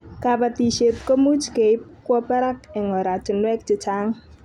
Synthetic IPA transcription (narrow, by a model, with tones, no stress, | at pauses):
kapat̪i˨ʃe˨p̚kə˦mu˦t͡ʃke˨ɪ˦p̚kwɔ˦pɛ˦ɾa˦kɪ˨ŋɔ˨ɾa˨t͡ʃɪ˨nwɛ˦k̚t͡ʃɪ˨t͡ʃa˦ŋ